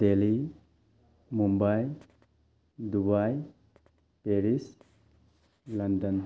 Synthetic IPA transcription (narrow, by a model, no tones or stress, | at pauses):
deli | mumbaj | dubaj | peɾis | lʌndɔn